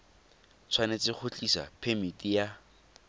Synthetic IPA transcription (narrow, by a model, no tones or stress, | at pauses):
t͡sʰwanet͡sɪχʰʊt͡ɬʼisa̰pʰemitʼija